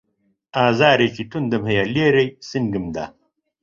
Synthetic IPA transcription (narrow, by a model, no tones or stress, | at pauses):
aːzaːɾɐjt͡ɕit̪und̪ɐmɦɐjaleːɾejsiŋɡimd̪a̰